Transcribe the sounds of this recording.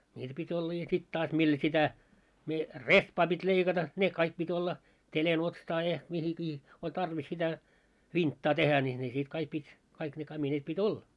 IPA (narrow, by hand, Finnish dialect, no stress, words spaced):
nʲiːtæ pitʲ olːɑ jɑ sit tɑːs mil sitæ mie rehpɑː pitʲ leikɑtɑ ne kɑik pitʲ olːɑ jɑ mihikiː olʲ tɑrʋis sitæ ʋintːɑː tehæ nʲi ne sit kɑik pitʲ kɑik ne kɑmineːt pitʲ olːɑ